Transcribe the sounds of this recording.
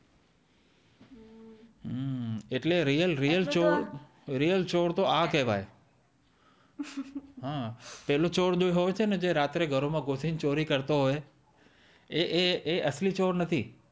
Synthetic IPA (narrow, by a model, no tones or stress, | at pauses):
ɦeʈleɾijəlɾijəlt͡ʃo | ɾijəlt͡ʃoɽt̪oʔakɛɦʋa̰j | ɦãpɛɦlot͡ʃoɽd͡ʒojɦojt͡ʃʰened͡ʒeɾat̪ɾeɡʱəɾomãɡosint͡ʃoɾikəɾt̪oɦoj | eʔeeʔəslit͡ʃoɽnət̪ʰi